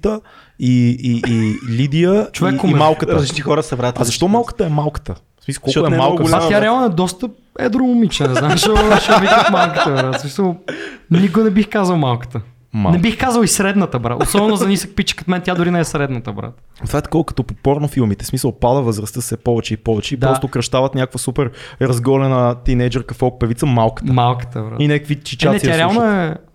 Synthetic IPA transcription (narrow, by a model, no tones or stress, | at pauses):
t̪ə | iiʔilid̪ijət͡ʃovɛkʊmimalˠkət̪ɾəzlit͡ʃt̪ixɔɾəsɛvɾat̪azɐʃt̪ɔmalˠkə̥t̪əɛmalˠkə̥t̪ə | smisəkɔlɔkɛalˠɡast̪jaɾɾɛalˠnoɛd̪ɔst̪ə | ɛ̰d̪ɾomʊmit͡ʃnənɛznamʃoʃɛvikxmalˠkət̪əbɾat̪smisəlˠnik̬onɛbixkazəlˠmalˠkə̥t̪ə | mnɛbixkazəlˠisɾɛd̪nət̪əbɾa̰ʔosɔbɛnʊzɐnisək̚pit͡ʃə̥kɐt̪mɛnt̪ʲjad̪ʊɾinɛɛsɾɛd̪nət̪əbɾa̰t̪ | t̪vaɛt̪ɐ̥kɔvəkə̥t̪opopɔɾnofilˠmit̪ɛsmisəlˠpad̪əvəzɾɐst̪əsɛpɔvɛt͡ʃɛipɔvɛt͡ʃɛid̪ɾaɔt̪okɾɐʃt̪avət̪nʲakokvəsupɛɾɾɐzɡɔlɛnət̪inɛd͡ʒəɾkɐfɔk̚pɛvit̪səmalˠkə̥t̪əmalˠkə̥t̪əvɾa̰inɛkəkvit͡ʃit͡ʃaɛt̪ijaɾɾɛalˠnoɛ